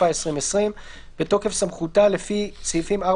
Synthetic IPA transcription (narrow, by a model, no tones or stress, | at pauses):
aesʁimesʁim | b̥e̞to̞ke̞fsamχutale̞fit͡shifima